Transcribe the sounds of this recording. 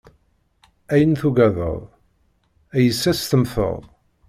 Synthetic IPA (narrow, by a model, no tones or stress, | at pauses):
æjənθuɡæðə̰ðˤ | æjəsːæst̪əmθə̰ðˤ